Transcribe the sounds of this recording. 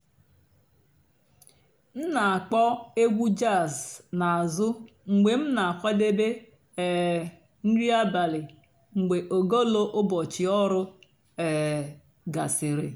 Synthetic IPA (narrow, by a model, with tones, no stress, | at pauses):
m̩˦na˨a˨k͡pɔ˦e˦ɡʷu˦d͡ʒa˦˨zna˨a˨zʊ˦ | ŋ͡m̩˨ɡ͡be˨m̩˦na˨kʷa˦de˦be˦ | ɛ˨ | n̩˦ɾi˦a˦ba˨lɪ˨ | ŋ͡m̩˨ɡ͡be˨ʔo˨ɡo˦lo˦ʔʊ˦bɔ˨t͡ʃɪ˨ɔ˦ɾʊ˦ | ɛ˨ | ɡa˨sɪ˨ɾɪ̰˨